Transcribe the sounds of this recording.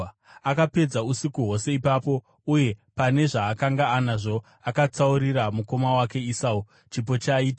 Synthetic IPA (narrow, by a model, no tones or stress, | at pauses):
akape̞d͡zausikuɦo̞se̞ipapo̞ | uje̞pane̞ʐaːkaŋɡaːnaʐo̞ | akat͡sauɾiɾamuko̞mawake̞isau | t͡ʃip̬o̞t͡ʃaiːta